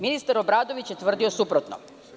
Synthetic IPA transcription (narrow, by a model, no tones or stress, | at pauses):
minist̪aɾobɾaːd̪o̞ʋit͡ɕjet̪ʋr̩d̪io̞supɾot̪no̰